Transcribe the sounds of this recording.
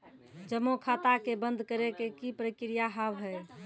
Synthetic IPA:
d͡ʒəmːokʰat̪akebənd̪ʱkəɾekekipɾəkɾijaɦəʋɦɛj

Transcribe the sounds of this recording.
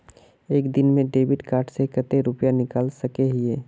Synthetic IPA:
eːkd̪ɪnmẽɖeːbɪʈkaːɾʈsekət̪eɾʊpjanɪkaːlsɐkeɦɪeː

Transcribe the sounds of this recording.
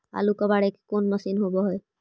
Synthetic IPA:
a̰lukɔbaɹɛkkonmasinɦobɔɦɔj

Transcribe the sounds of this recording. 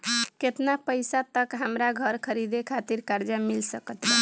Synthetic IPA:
ket̪napəjsat̪əkɦəmɾaɡʱəɾkʰəɾid̪ekʰat̪iɾkaɾd͡ʒamilsəkət̪ɾɛ

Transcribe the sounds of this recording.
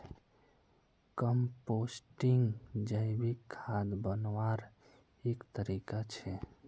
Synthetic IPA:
kəmposʈiŋɡd͡ʒəjbikʰːad̪bənwaɾ | ekt̪əɾikat͡ʃʰɛ

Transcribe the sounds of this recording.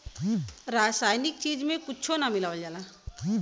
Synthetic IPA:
ɾaːsaːjnɪk̚t͡ʃiːd͡ʒmẽkʊt͡ʃʰonamɪlaːʋəld͡ʒaːla

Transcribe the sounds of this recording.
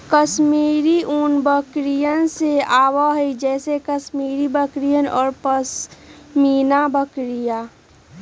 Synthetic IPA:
kəsmiːɾiʔunbəkɾijənseaːwaɦɛid͡ʒɛːsekəsmiːɾibəkɾijənɔ̰ːɾpəsmiːnabəkɾija

